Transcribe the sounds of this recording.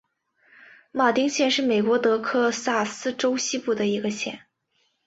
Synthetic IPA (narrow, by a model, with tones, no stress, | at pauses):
ma˥˩t̪i˥ŋɕjɛ˥˧nʂɻ̩˥˩me˨˩ɪkwɔ˧˥t̪ɤ˧˥kʰɤ˥sa˥˩sɹ̩˥ʈ͡ʂo˥ʊɕi˥pu˥˩d̪ə˩i˧˥ɡə˧ɕjɛ̰˥˩n